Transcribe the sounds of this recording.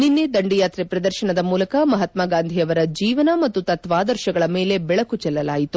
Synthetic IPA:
ninːed̪ɐɳɖijaːt̪ɾɛpɾɐd̪ɐɾʃɐɳɐd̪ɐmuːlɐkɐmɐɦɐt̪maːɡaːnd̪ʱijɐʋɐɾɐd͡ʒiːʋɐnɐmɐt̪ːut̪ɐt̪ʋaːd̪ɐɾʃɐɡɐɭɐme̞ːle̞bɛɭɐkut͡ʃɛlːɐlaːjit̪u

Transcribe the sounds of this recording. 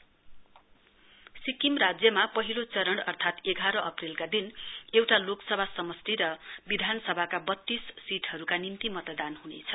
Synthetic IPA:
sikimrad͡zjʌmapʌɦilot͡sʌɾʌɳʌrt̪ʰat̪eɡʱaɾʌʔʌprilkad̪inewʈaloksʌbʱasʌmʌst̪iɾʌbid̪ʱanʌsʌbʱakabʌt̪ːisːiʈʰɦʌɾukanimt̪imʌt̪d̪anɦunḛt͡sʰʌ̥

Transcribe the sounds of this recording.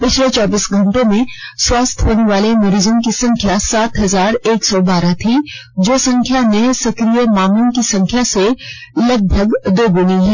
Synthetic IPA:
pɪt͡ʃʰlet͡ʃɔːbiːsɡʱɐ̃ɳʈõmẽswaːst̪ʰɦoːneʋaːlemɐɾiːzõkisɐ̃ŋkʰjasaːt̪ɦɐzaːɾeːksɔbaːɾat̪ʰi | d͡ʒoːsɐ̃ŋkʰjanesɐkɾijemaːmənkisɐ̃ŋkʰjase | lɐɡ̚bʱəɡd̪oːbʊniɦɛː

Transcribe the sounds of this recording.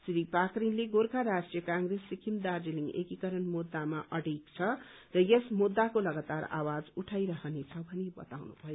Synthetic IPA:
sɾipakrinleɡorkaɾasʈijʌkãŋɡresːikʰimd̪ard͡ziliŋɡḛkikʌɾʌnmud̪ːamaʔʌɽikt͡sʰʌ | rʌjesmud̪ːakolʌɡat̪ara̰wad͡zuʈʰajɾʌɦʌnet͡sʰʌbʱʌnebʌ̰t̪awnṵbʱʌjo

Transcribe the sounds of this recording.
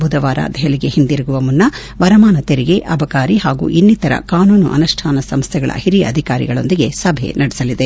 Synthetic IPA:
bʱud̪ɐʋaːɾɐ̰d̪ɐɦɐliɡe̞hind̪iɾiɡuʋɐmunːɐ | ʋɐɾɐmaːnɐt̪eɾiɡe̞ʔɐbɐkaːɾiɦaːɡṵːʔinːit̪ɐɾɐ̰kaːnuːnuʔɐ̰nuʂʈʰaːnɐsɐmst̪ʰɛɡɐɭɐ̰hiɾiɐ̰d̪ʱikaːɾḭɡɐɭo̞̰nd̪iɡe̞sɐbʱḛnɐɽisɐlid̪e

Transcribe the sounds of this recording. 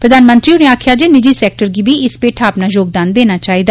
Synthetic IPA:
pɾəd̪aːnmə̃nt̪ɾiːʊnẽːaːkʰjaːd͡ʒeːnɪd͡ʒiːsɛːk̚ʈəɾɡiːbiːɪspeːʈʰaːəpnaːjoːɡ̚d̪aːnd̪eːnaːt͡ʃaːiːd̪aː

